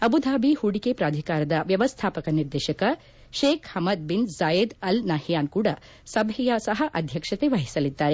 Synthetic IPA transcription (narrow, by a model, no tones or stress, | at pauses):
ɐbud̪ʱaːbʱihuɽikepɾaːd̪ʱikaːɾɐd̪ɐʋjɐʋɐst̪ʰaːpɐkɐniɾd̪eːʃɐkɐ | ʃeːkhɐmɐd̪̚binzaːjɐd̪ɐlnaːhjaːnkuːɽɐ | sɐbʱɛjɐsɐɦɐʔɐd̪ʱjɐkʂɐt̪eʋɐɦisɐlid̪ːaːɾe